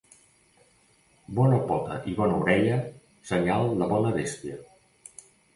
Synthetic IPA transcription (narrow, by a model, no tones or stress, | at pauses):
bɔnəpɔt̪ə̰ʔiβɔnəuɾɛʎə | səɲalˠːəβɔnəβest̪iə